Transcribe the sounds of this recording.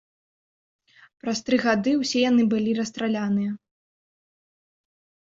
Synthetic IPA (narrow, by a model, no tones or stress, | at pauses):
pɾɐst̪ɾɨɣad̪ɨwsʲɛjan̪ɨbɨlʲiɾɐst̪ɾalʲanɨjɐ